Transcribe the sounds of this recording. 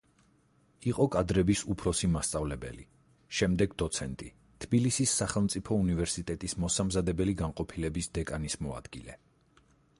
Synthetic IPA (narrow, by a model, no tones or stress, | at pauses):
iqʼɔkʼad̪ɾɛbisupʰɾɔsimast̪sʼavlɛbɛ̰li | ʃɛmd̪ɛɡd̪ɔt̪sʰɛnt̪ʼi | t̪ʰbilisisːaχɛlˠmt̪sʼipʰɔunivɛɾsit̪ʼɛt̪ʼismɔsamzad̪ɛbɛliɡaŋqʼɔpʰilɛbisd̪ɛkʼanismɔa̰d̪̥ɡilɛ